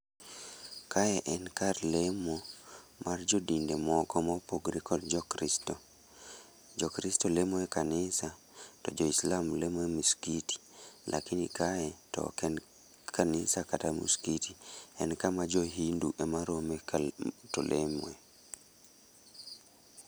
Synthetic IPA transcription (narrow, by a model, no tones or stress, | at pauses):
kaɛʔɛnkarlemomard͡ʒɔdindemɔkɔmɔpoɡɾikɔdd͡ʒɔɾitɔ | d͡ʒɔkɾistɔlemwɛkanɪsa | tɔd͡ʒɔislamlemɛmiskiti̥lʔa̰kinikaɛtɔ̰kɛn | kanisakatamṵskitiɛnkamad͡ʒoɦinduʔɛmaɾometɔ̰lʔḛme